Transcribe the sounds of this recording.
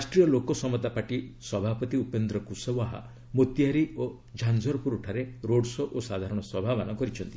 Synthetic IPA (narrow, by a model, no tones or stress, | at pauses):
asʈɾijɔlokɔsɔmɔt̪apaʈisɔbʱapɔt̪iupend̪ɾɔkusɔwaɦa̰ | mot̪jaɾio | d͡ʒʱand͡ʒʱɔɾɔpuɾuʈʰaɾeɾoɽsɔʔosad̪ʱaɾɔɽ̃ɔswɔbʱabɔnɔkɔɾit͡ʃʰɔnt̪i